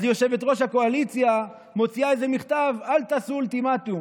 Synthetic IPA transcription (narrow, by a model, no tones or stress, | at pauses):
zjo̞ʃe̞ve̞t̪ʁo̞ʃhako̞alit͡sja | mo̞t͡siaeze̞miχt̪avalt̪asult̪imat̪u